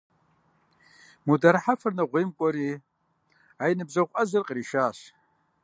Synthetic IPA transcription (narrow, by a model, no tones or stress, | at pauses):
mudarħafɨrnaʁʷejmkʷʼɔɾi | ajnɨbzaʁʷʔazɨrqʼriʃaːɕ